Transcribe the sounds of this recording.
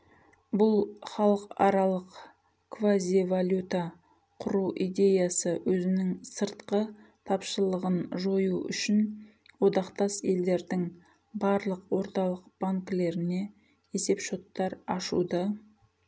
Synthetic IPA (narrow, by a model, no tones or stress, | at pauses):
bʊlˠχɑlˠəqɑ̰ɾɑlˠəq | kvazʲivalʲjut̪a | qʰʊɾuʔid̪e̞jasəwɵzɪnɪŋsəɾt̪qə | t̪ʰɑpʃəlˠəʁənʒo̞juʏ̰ʃɪn | wo̞d̪ɑqt̪ɑse̞ld̪e̞ɾd̪ɪŋ | bɑɾlˠəqwo̞ɾt̪ɑlˠəq̚b̥aŋkle̞ɾɪne̞ | e̞se̞pʃo̞t̪ːɑɾɑʃṵd̪ə